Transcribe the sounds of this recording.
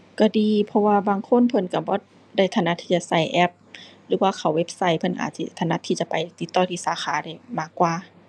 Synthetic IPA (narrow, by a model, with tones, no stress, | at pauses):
ka˧˩diː˧pʰɔ˧waː˧baː˧˨ŋkʰo˧˥˨npʰɤ˧˥˨nka˧˩bɔː˧˦ | da˧˥˩jt̪ʰa˧˩na˧˥t̪ʰiː˧t͡ɕa˧˨sa˧˩jʔɛ˧˩p̚lɯː˨˦waː˧˩kʰa˨˩we˧p̚sa˧˩jpʰɤ˧˨nʔa̰ː˨˩t̪̚sḭ˧t̪ʰa˧˩na˧˥t̪ʰiː˧t͡ɕa˧˦pa˨jt̪i˧˦t̪ːɔː˧˩t̪ʰiː˧˥˨saː˨˦xʰaː˨˦da˧˩jmaː˧˩˨kːwaː˧